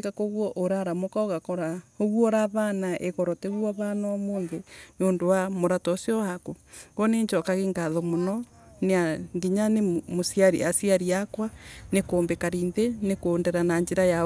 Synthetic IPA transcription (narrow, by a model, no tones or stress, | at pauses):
kakoɣwɔʔoɾaɾamokaoɣakɔɾaoɣwɔɾaβanaʔeɣɔɾɔteβwaβanaɔmoːnðenoːndowamoɾatɔsiɔhakoɡɔneɲt͡ʃɔkaɣeŋɡaðɔmonɔ | neaŋɡiɲanemosiaɾḭasiaɾiakwanekoːmbekaɾiːnðenekoːndɛɾanaɲd͡ʒeɾaja